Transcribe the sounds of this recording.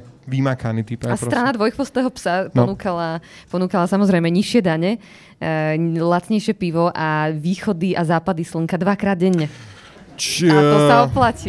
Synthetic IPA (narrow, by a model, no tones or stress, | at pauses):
ʋimakanit̪ipaastt̪ɾanad̪ʋɔjxpɔst̪ɛːɦɔpsap̪ɔnuːkala | pɔnuːkalasamɔzɾɛjmɛɲiʃɪɛd̪aɲɛ | lat͡sɲɛjʃɪɛpiʋɔʔaʋiːxɔd̪iʔazaːpad̪isləŋkad̪ʋakɾaːd̪̚ɟɛɲːɛ | t͡ʃat̪ɔsaɔplaci